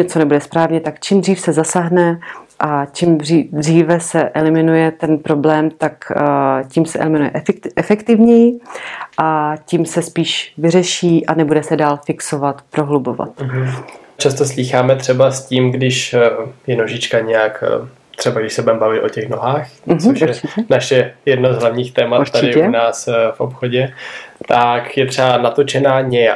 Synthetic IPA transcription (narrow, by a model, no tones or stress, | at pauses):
ɲɛt͡so̞nɛbudɛspɾaːvɲɛt̪akt͡ʃimdriːfsɛzasaɦnɛʔat͡ʃimridriːvɛsɛʔɛlɪmɪnujɛt̪ɛnpɾo̞blɛːmt̪akcimsɛʔɛ̰lɪmɪnujɛ̰ʔʔɛfɛkt̪ɪvɲɛjɪʔacimsɛspiːʃvɪrɛʃiːʔanɛbudɛsɛdaːlfɪkso̞vat̪pɾo̞ɦlubo̞va̰t̪̩ | t͡ʃast̪osliːxaːmɛt̪r̥ɛbasciːmɡdɪʃjɛnoʒɪt͡ʃkaɲɛjak | t̪r̝̥ɛbaɡdɪʃsɛbɛmbavɪt̪o̞̰cɛxnoɦaːxɦt͡soɛt͡ʃɪcɛnaʃjɛjɛdnozɦlavɲiːxt̪ɛːmatuɾt̪adɪɪɛunaːsfʔopxoɟɛt̪akjɛt̪r̥ɛbanat̪o̞t͡ʃɛnaːɲɛja